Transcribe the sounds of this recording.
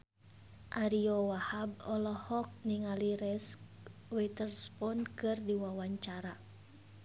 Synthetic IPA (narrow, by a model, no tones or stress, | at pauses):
ʔaɾiɔwahabɔlɔhɔk̚niŋaliɾɛskwɛt̪ərspɔnkɨrdiwawaɲt͡ʃaɾa